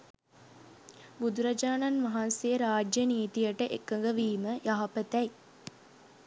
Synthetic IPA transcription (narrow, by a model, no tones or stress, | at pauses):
bud̪uɾad͡ʒaːnanʋɐɦansejəɾaːd͡ʒjəniːt̪ijəʈəʔḛkːəŋɡəʋiːməjaɦapət̪ɛj